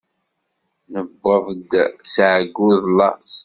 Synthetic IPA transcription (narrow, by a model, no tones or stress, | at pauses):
nəbːəvd̪sʕəɡːuðlːɑ̰s